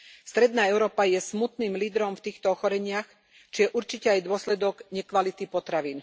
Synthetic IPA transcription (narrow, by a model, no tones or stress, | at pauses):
fst̪ɾɛd̪naːɛʊɾɔːpajɛsmut̪niːmliːd̪ɾɔmft̪iːxt̪ɔɔxɔɾɛɲɪax | t͡ʃijɛʔuɾt͡ʃicɛajd̪ʊɔslɛd̪ɔɡɲɛkʋalit̪ipɔt̪ɾaʋiːn